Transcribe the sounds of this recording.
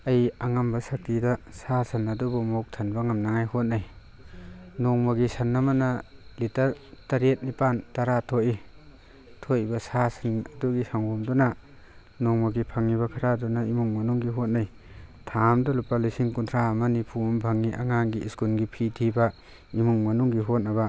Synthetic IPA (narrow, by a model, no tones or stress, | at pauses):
ɐjɐŋambɐsak̚tidɐsasɐnɐdubɐmok̚tʰɐnbɐŋamnaŋajhot̚naj | noŋmaɡisɐnːɐmɐnɐlitɐɾtɐɾet̚nipantaɾatʰoʔi | tʰojibɐsasɐnɐduɡisaŋɡumdɔnɐ | noŋmaɡipʰɐŋːiβɐkʰaɾadunaimuŋmɐnuŋɡiɦot̚naj | tʰamdɐlupalisiŋkuntʰɾaɐmɐnipʰumbʱaŋːiʔa̰ŋaŋɡiiskulɡipʰitʰibɐ | imuŋmɐnuŋɡiɦot̚nɐβɐ